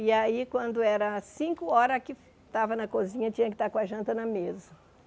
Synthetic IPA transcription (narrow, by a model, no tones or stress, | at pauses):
ɪaikwɐ̃nd̪ʊɛɾɐsĩŋkʊɔɾɐkɪ | t̪avɐnɐkozĩɲɐt͡ʃĩɲɐkɪ̥t̪aɾkõɐʒɐ̃nt̪ɐnɐmezɐ